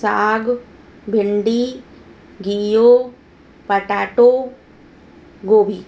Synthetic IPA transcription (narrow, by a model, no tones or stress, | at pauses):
saːɡ | bʱɪɳɖi | ɡijoː | pɐʈaːʈo | ɡoːbʱiː